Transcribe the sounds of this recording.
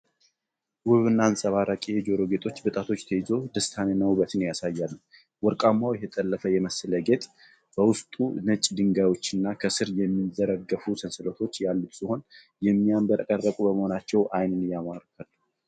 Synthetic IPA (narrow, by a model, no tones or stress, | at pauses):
wʊβɨnːansʼəβaɾəkʼied͡ʒo̞ɾo̞ɡe̞t̪ʼo̞t͡ʃːbɨt̪ʼat̪ʰo̞t͡ʃːt̪ʰəjɪzo̞d̪əst̪ʰanenəwbət̪njasajːalːu | wɔɾkʼamːawjɛtɛt̪ʼəlːəfəjɛməsɨləɡe̞t̪ʼ | b̥əwʊst̪ʼṵnət͡ʃʼːd̪ɨŋɡajwo̞t͡ʃːɨnːakʰəsɨɾjɛmːid̪əɾəɡːəfusənsɨlət̪ʰo̞t͡ʃːjalːut̪siho̞n | jɛmːiambəɾkʼərːəkʼubəməho̞nat͡ʃːɛwʔajnɨnɨjamaɾkʰal